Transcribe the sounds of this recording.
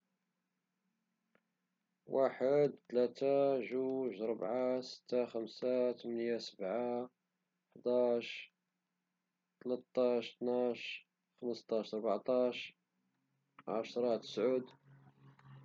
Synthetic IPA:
wʔaħəd̪t̪læt̪aʒuʒɾˤəbʕasə̥t̪ːaxəmsat̪mənjasəbʕa | ħd̪ɑʃ | t̪lət̪ːɑʃt̪naʃ | xəməst̪ˤɑʃɾˤbʕt̪ˤɑʃ | ʕa̰ʃɾˤɑt̪ə̥sʕud̪

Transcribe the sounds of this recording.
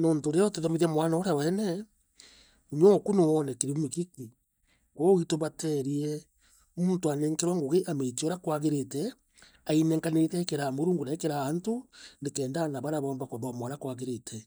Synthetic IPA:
nɔːntoɾeɔtɛðɔmeðamwanaɔɾawɛnɛ | uɲɔkunowɔnɛkiɾimikiki | kowitoβatɛɾiɛ | muːntoaneŋkeɾwaŋɡoɣeʔametiɔɾakwaɣeɾetɛ | ainɛŋkaneetɛkeɾamoɾuːŋɡunakeɾaːntonekɛːndanaβaɾaβɔːmbakwaβamɔɾakwaɣeɾetʰɛ

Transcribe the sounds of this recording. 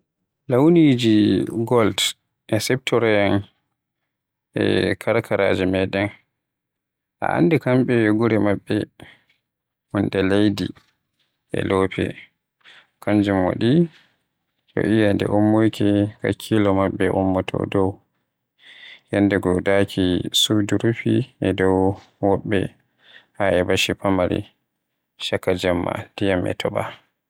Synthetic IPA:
lawnid͡ʒiɡɔld | ʔɛsɛp̚tʰɔɾajan | ʔɛ̰kʰaɾkʰaɾa̰d͡ʒɛmɛɗɛn | ʔa̰ʔa̰ndɛkamɓɛɡuɾɛmabːɛ | mundɛlejdi | ʔɛ̰lɔpʰɛ̰ | kaɲd͡ʒumwa̰ɗi | ɗɔ̰ʔijandɛ̰ʔɔmːojkika̰kʰːilɔmabːɛʔɔmːɔtʰɔ̰dɔw | jandɛɡɔdakʰisuduɾupiɛdɔw | wɔɓːɛ̰ | haɛbaʃipamaɾḭ | ʃakːad͡ʒamːa̰d̥ijamʔɛ̰tʰɔba

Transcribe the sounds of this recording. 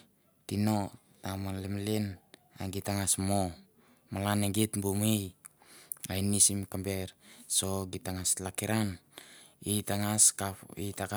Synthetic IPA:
tino | tamalemlen | a̰ɡitaŋasmo | malaneɡitbumij | ajnisimkambe̞ɾso̞ɡitaŋaslakiɾan | itaŋaskaitaka

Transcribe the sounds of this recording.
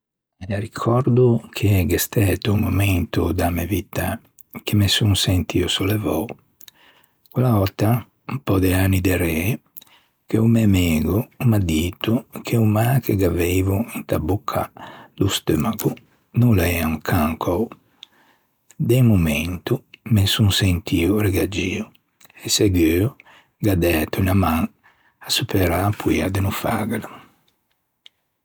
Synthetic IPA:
elaɾikʰɔɾd̪ukʰeɡest̪ɛt̪uumumɛnt̪ud̪amevit̪a | kemesuŋsɛnt̪iosolevɔ̰ | kwelaɔt̪ːa | pɔd̪eanid̪eɾɛ | keumɛmeːɡumad̪iːt̪ukʰeumakeɡavejvuint̪abukʰːalust̪ømaɡu | nulaɛaŋkʰaŋkʰɔw | d̪emumɛnt̪umensuŋsent̪ʰiuɾeɡad͡ʒiu | eseɡøː | ɡad̪ɛt̪uinamaŋ | asupeɾaːpuiad̪enufa̰ɡala

